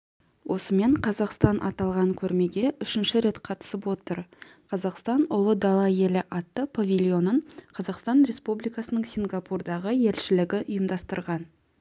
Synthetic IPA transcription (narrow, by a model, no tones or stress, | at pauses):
wʔo̞səme̞ɴqʰɑzɑqst̪ɑnʔɑ̰t̪ɑlˠʁɑŋkʲʰɵɾme̞ɡʲe̞ʔʏʃɪnʃɪɾe̞t̪qʰɑt̪ə̥səpwo̞t̪əɾqʰɑzɑqst̪ɑnʊlˠəd̪ɑlˠɑje̞lɪʔɑt̪ːəpʰavʲilʲjo̞nəɴqʰɑzɑqst̪ɑnɾʲe̞spublijkɑsənəɴsʲiŋɡɑpurd̪ɑʁəje̞lʃɪlɪɡʲɪʔʊjəmd̪ɑst̪əɾʁɑn